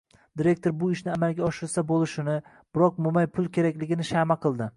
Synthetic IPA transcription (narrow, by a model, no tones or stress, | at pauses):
d̪iɾe̞k̚ʲt̪o̞ɾbʊɪʃnɪamalˠɡʲaɒʃɪɾsabolˠɪʃɪnɪ | b̥ɪɾɒq̚mʊmajpʰʊlˠkʲʰe̞ɾakʲlɪɡʲɪnɪʃamaqʰɨlˠd̪ɪ